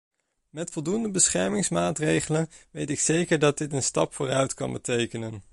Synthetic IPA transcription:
mɛtfɔlˠdundəbəsχɛɹmɪŋsmaːtrejχələnʋejtɪksejkəɹdɑd̚dɪtənstɑ̰pfʊːrœɥtkɑ̰nbətejkənən

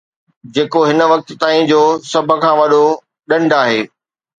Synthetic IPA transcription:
d͡ʑeːkoɦɪnə̆ʋɐk̚t̪̆t̪aːĩd͡ʑoːsɐbʱə̆kʰãːʋɐɗo | ɗɐ̃ɳɖʱaːɦeː

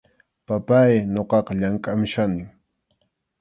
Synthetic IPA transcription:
papajnoqɑqɑʎaŋkʼamʃanɪŋ

